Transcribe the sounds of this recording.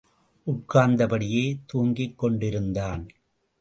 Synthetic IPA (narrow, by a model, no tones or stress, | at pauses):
ʔʊʈ̚kːaːnd̪ɐpɐɽɪjeːt̪uːŋɡɪkːɔɳɖɪɾɯnd̪aːn